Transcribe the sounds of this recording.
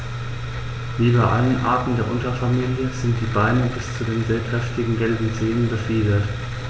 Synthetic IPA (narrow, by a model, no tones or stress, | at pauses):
vyːbɐʔalənʔa̰ːɐtn̩deːɐʔʊntɐfamiːljəzɪnt̚d̥iːbaɪnəbɪst͡sudeːnzeːɐkʁ̥ɛftɪɡŋ̩ɡɛlbm̩zeːənbəfiːdɐt